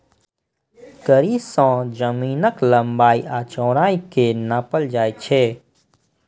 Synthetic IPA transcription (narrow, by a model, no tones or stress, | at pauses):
kəɾisɔ̃d͡ʒəmiːnəkləmbaːiʔat͡ʃɔ̃ːɾaːikenaːpəld͡ʒaːjt͡ʃʰe